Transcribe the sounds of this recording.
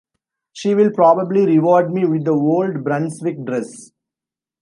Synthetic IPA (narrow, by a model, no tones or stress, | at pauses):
ʃiːʋɪlpɾɔːbəbliɾɪʋɔːɾɖmiːʋɪd̪əoːlɖbɾãnsʋɪk̚ɖɾɛs